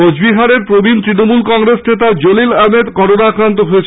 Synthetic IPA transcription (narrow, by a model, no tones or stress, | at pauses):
od͡ʑbiɦaɾeɾpɾobʱint̪ɾinomulkɔŋɾesnet̪ad͡ʑolilamed̪kɔɾonaakɾant̪oɦoet͡ɕʰ